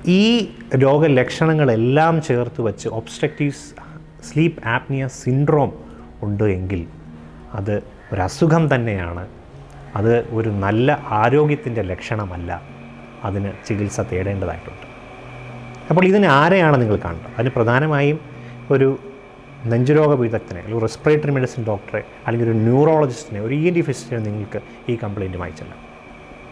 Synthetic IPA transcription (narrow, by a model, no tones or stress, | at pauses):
iː | lo̞ːɡɐle̞kʂɐɳɐŋːɐɭe̞lːaːmt͡ɕe̞ːrt̪uʋɐt͡ɕːɨʔo̞ːbsʈɐk̚tiʋ | sliːpːaːpnijɐsinɖro̞ːm | uɳɖɨe̞ŋɡil | ɐðɨ | o̞ɾuɐsukʰɐmt̪ɐnːe̞ja̰ːɳɨ | ɐðɨo̞ɾunɐlːɐʔaːɾo̞ːɡjɐt̪ːinde̞le̞kʂɐɳɐmɐlːɐ̰ | ɐðinɨt͡ɕiɣilsɐt̪ːeːɽe̞ːɳɖɐða̰ːjiʈːṵɳɖɨ̥ | ɐpːo̞ːɭiðinɨaːɾɐjaːɳɨniŋːɐɭkɨka̰ːɳɨɳɖɐɐðinɨprɐd̪ʱaːnɐmaːjum | o̞ɾu | neɲd͡ʑuɾo̞ːɡɐʋiðɐkt̪ːineɐ̰lrespreːʈːɐrimeɖisɐnɖo̞ːk̚ʈɐre | ɐlːeɡiloɾunjuːro̞ːɭɐd͡ʑistineo̞ɾuiendifistinuniŋːɐɭkɨ | iːkɐmpɭejnduma̰ːjit͡ɕːɐlːɐ̰